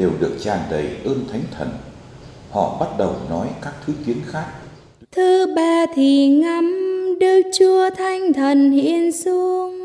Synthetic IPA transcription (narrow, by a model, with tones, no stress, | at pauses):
ɗe˨˩wɗɨ˨˩ək̚t͡ɕaː˨˩nɗə˨˩jʔəː˧nt̪ʰa˨˦jŋ̟t̪ʰə˨˩n | hɔ̰˧˨ɓa˦˥t̚ɗə˨˩wnɔ˨˦jkaː˦˥k̚t̪ʰɨ˨˦ki˨˦ənxaː˦˥k̚ | t̪ʰɨ˨˧ɓaː˧˩t̪ʰi˨˩ŋa˧˦mɗɨ˧˩ək̚t͡ɕu˧ət̪ʰa˧jŋ̟t̪ʰə˨˩nhḭ˧ənsu˧əŋ